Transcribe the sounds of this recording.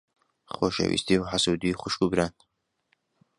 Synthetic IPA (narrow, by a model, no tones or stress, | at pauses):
χoʃɛ̰wḭst̪iuħasuːd̪iχʷʊʃkubɾan